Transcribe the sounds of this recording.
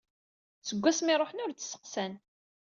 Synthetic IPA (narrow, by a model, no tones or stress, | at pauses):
t͡səɡʷːæsmɪɾˤoħənʊɾt͡sːsːə̥qsæn